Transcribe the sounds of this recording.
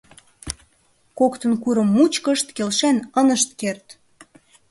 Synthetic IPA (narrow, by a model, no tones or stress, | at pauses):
kokt̪ənkuɾə̆mːut͡ɕkəʃt̪kelʃænənəʃt̪kert̪